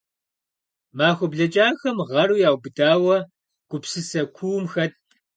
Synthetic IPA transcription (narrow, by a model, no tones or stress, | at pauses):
maːxʷʊbɮɐt͡ʃʼaːxɐmʁɐɾujaːwbɨdaːwɐ | ɡ̥ʷʊpsɨsɐkʷʰuːmxɐt̚ʼ